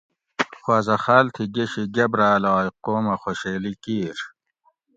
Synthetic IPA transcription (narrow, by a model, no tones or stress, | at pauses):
xwaːzɐχaːlt̪ʰiɡeɕiɡɐbɾaːlaːjqoːmɐxoɕeːlikiːɾ